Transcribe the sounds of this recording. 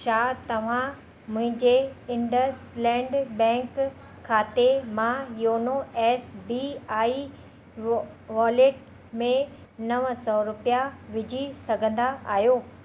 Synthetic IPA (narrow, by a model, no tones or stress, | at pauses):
ʃaːt̪ɐʋ̤ã | mʊ̃ɦɪ̃ɲd͡ʑeɪ̃ɳɖəɾslɛ̃ːɳɖbɛ̃ːŋkʰː | aːt̪emãjoːnoɛːsbiaːi | ʋaːleʈ̚ | mẽ | nɐʋəsɔɾʊpijaʋɪd͡ʑʱisɐɡʱə̃nd̪aʔa̰ːɦjoː